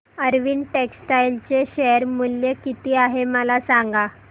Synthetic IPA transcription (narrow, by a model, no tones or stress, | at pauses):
əɾʋiːnʈeksʈajlt͡ɕeɕeəɾmuljekit̪iːaɦeməlasaŋɡa